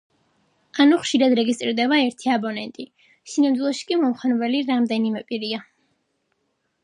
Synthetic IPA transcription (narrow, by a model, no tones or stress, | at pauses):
anuχʃiɾad̪ɾɛɡist̪ʼɾiɾd̪ɛbaɛɾt̪ʰiabɔnɛnt̪ʼi | sinamd̪wilˠɔʃi̥kʼimɔmχɛnbɛliɾamd̪ɛnimɛpʼiɾia